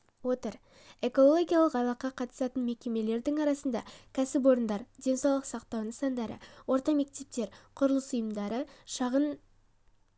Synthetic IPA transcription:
wo̞t̪əɾ | e̞ko̞lˠoɡʲijalˠəqɑlˠɑqːɑqʰɑt̪ə̥sɑt̪ənme̞kʲe̞me̞le̞ɾd̪ɪŋɑɾɑsənd̪ɑ̰kʲʰæsɪp̬wo̞ɾənd̪ɑɾd̪ʲe̞nsɑwlˠəqsɑqt̪ɑwnəsɑnd̪ɑɾə̰wo̞ɾt̪ɑme̞k̚t̪e̞p̚t̪e̞ɾqʰʊɾəlˠəsʊjəmd̪ɑɾəʃɑʁən

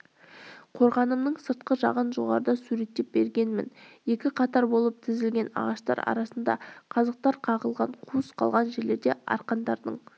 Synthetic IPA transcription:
qʰo̞ɾʁɑnəmnəɴsəɾt̪qəʒɑqənʒo̞ʁɑ̰ɾəd̪ɑsuɾe̞t̪ːe̞p̚be̞̰ɾɡʲe̞nmɪ̰nje̞kʲɪqʰɑt̪ɑɾbo̞lˠəp̚t̪ʰɪzɪlɡʲe̞nɑ̰ʁɑʃt̪ɑ̰ɾɑ̰ɾɑsənd̪ɑ̰qʰɑzɑq̚t̪ɑɾqʰɑʁəlˠʁɑɴqʰusqʰɑlˠʁɑnʒe̞ɾle̞ɾd̪e̞ɑ̰ɾqɑnd̪ɑɾd̪əɴ

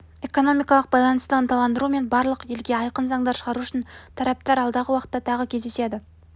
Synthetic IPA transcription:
e̞ko̞no̞mijkɑlˠəq̚bɑjlˠɑnəst̪əənt̪ɑlˠɑnd̪əɾume̞nbɑɾlˠəqje̞lɡʲe̞ɑjqənzɑŋd̪ɑɾʃəʁɑɾuʏʃɪnt̪ʰɑɾæp̚t̪ɑɾɑlˠd̪ɑʁəwɑqət̪ːɑt̪ʰɑʁəkʲʰe̞zd̪e̞sed̪ɪ

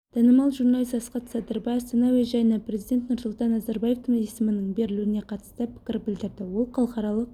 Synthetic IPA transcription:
d̪̥ʰɑnəmɑlˠʒuɾnɑlʲˠisɑsqɑt̪sɑd̪əɾbɑjɑst̪ɑnɑveʒæjnepre̞zijd̪ʲet̪nʊɾsʊlˠt̪ɑnːɑzɑɾbɑje̞ft̪ʰmesɪmɪnəɴbe̞ɾɪluɪne̞qʰɑt̪ə̥st̪əpʰɪ̥kʲɪɾbɪld̪ɪɾd̪ɪwo̞lˠqʰɑlˠqχɑɾɑlˠəq̚

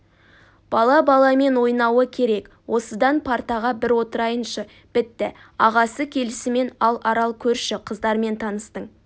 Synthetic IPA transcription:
b̥ɑlˠɑbɑlˠɑme̞nwo̞jnɑwəkʲʰe̞ɾe̞k | wʔo̞səd̪ɑnpʰɑɾt̪ɑʁɑbɪɾwot̪əɾɑjənʃə | b̥ɪt̪ːɪ | ɑʁɑsəkʲʰe̞lɪsɪme̞nɑlˠɑɾɑlˠkʲʰɵɾʃɪqʰəzd̪ɑɾme̞nt̪ʰɑnəst̪əɴ

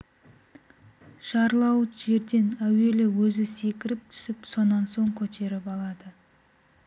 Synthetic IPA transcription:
ʃɑɾlˠɑwət̪ʒe̞ɾd̪e̞næwe̞lɪwɵzɪse̞kʲɪɾɪp̚t̪ʰʏ̥sɪpso̞nːɑnso̞ŋkʲʰɵt̪ʰe̞ɾɪpɑlˠɑd̪ə

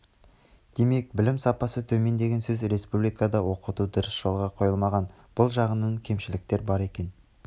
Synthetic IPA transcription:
d̪̥e̞me̞k̚bɪlɪmsɑpɑsət̪ʰɵme̞nd̪eɡʲe̞nsɵzɾe̞spublijkɑd̪ɑwo̞qət̪ud̪ʊɾəsʒ̥o̞lˠʁɑqʰo̞jəlˠmɑʁɑn | b̥ʊlˠʒɑʁənəɴkʲʰe̞mʃɪlɪk̚t̪e̞ɾbɑɾe̞kʲe̞n

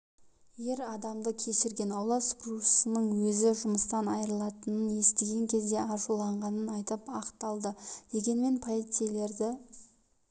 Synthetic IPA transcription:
je̞ɾɑd̪ɑmd̪əkʲʰe̞ʃɪɾɡʲe̞nɑwlˠɑsɡrusənəɴwɵzɪʒʊməst̪ɑnɑjəɾəlˠɑt̪ənənje̞st̪e̞ɡʲe̞ŋkʲʰe̞zd̪e̞ɑʒulˠɑɴʁɑnənɑjt̪əpɑqt̪ɑlˠd̪əd̪̥e̞ɡʲe̞nme̞npʰoet̪sijele̞ɾd̪ɪ

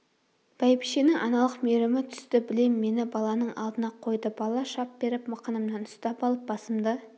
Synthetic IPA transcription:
b̥ɑjbiʃenɪŋʔɑ̰nɑlˠəqmeɾɪmɪt̪ʰʏ̥st̪ɪbɪlemːe̞nɪbɑlˠɑnəɴɑ̰lˠd̪ənɑqʰo̞jd̪əbɑlˠɑʃɑp̚b̥e̞ɾɪpmɑqənəmnɑnʊst̪ɑpɑlˠəp̚bɑsəmd̪ə

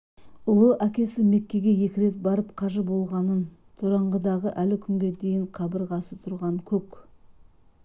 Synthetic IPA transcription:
ʊlˠəʔækʲe̞sɪme̞kʲːe̞ɡʲe̞je̞kʲɪɾe̞t̪̚bɑɾəpqʰɑʒəbo̞lˠʁɑnən | t̪ʰoɾɑɴʁəd̪ɑʁəʔælɪkʲʰʏŋɡʲe̞d̪e̞jɪɴqʰɑbəɾʁɑsət̪ʰʊɾʁɑŋkʲʰɵk

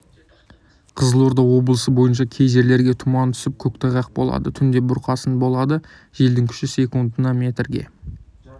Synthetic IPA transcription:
qʰəzəlˠo̞ɾd̪ɑwo̞blˠəsəbo̞jənʃɑkʲʰe̞jʒe̞ɾle̞ɾɡʲe̞t̪ʰʊmɑnt̪ʰʏ̥sɪp̚kʲʰɵkt̪ɑʁɑq̚bo̞̰lˠɑ̰d̪ət̪ʰʏnd̪e̞bʊɾqʰɑsənbo̞lˠɑd̪ə | ʒ̥e̞ld̪ɪŋkʲʰʏ̥ʃɪsʲe̞kund̪ənɑmʲe̞t̪rɡʲe̞̰

